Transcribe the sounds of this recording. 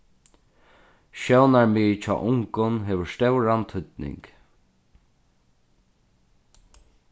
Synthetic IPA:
ʃɛwnaɹmeːt͡ʃʰɔ̰ːʔʊŋkʊnɦeːʋəɹst̪ɛwɾant̪ʰʏt̪nɪ̰ŋk

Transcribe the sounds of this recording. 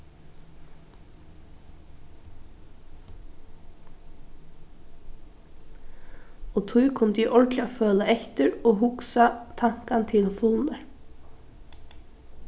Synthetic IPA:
oːt̪ʰʊʏkʰɔmd̪iːʔɔɹʈlɪoføːləʔɛçt̪əɾoːɦʊksɑt̪ʰɑŋ̥kɑnt̪ʰɪlfʊlnə

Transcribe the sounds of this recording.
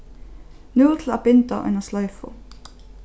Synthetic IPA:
nʉlt̪ʰl̩ɑ̰ːbɪnt̪ə̰ʔʉ̰nəslœʏfʊ̰

